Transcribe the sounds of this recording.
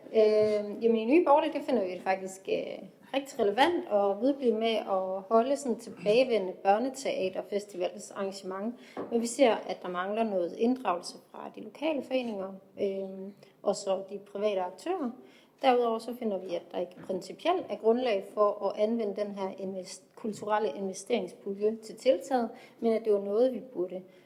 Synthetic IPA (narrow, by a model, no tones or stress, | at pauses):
øjæməniny̰ːb̥ɒːɾəd̥efe̝n̰ɐʋidfɑ̈ɡ̥̚d̥isɡ̥ | ʁeɡ̥̚d̥iʁɛləʋæn̰d̥ɒ̽ʋið̞ˠb̥li̥meɒ̽hɒ̽ləsɒ̽nt͡sʰe̝b̥ɛːɪʋen̰əb̥ɶɐnət͡sʰe̝ʔɛ̰ːd̥ɐfesd̥iʋɛ̰ːlsɑ̈ŋɡæɕəmɑ̈ŋʋɒʋise̝ɐ̰æ̥d̥ɑ̈mɑ̈ŋlɐnɔ̽ːð̩ˠe̝nd̥ʁɑ̈ʊl̩səfʁɑ̈d̥ilo̝kʰɛ̰ːləfɒ̽e̝̰ːne̝ŋɐøʔɒ̽sɒd̥ipʰʁiʋɛ̰ːɾəɑ̈ɡ̥̚t͡sʰø̰ːɐ | d̥æɐuð̞ˠɒ̰ʊ̰sɒ̽fe̝n̰ɐʋiæd̥ɑ̈e̝ɡ̥əpʰʁɛnsipʰiel̰d̥æɐɡ̥ʁɔ̽nlɛ̰ɪfɒ̽ʔɒʔænʋenəd̥enɦæɐ̰enkʰult͡sʰuʁal̰əʔe̝nʋesd̥e̝ɐe̝ŋsb̥uljøt͡sʰe̝lt͡sʰe̝lt͡sʰɛ̰ːð̞̩ˠmenæd̥e̝ʋɑ̈nɔ̽ːð̞̩ˠʋib̥uɐɾ̥ə